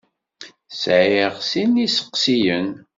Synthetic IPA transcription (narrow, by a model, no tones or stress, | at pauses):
sʕeʁsinisə̥qsijən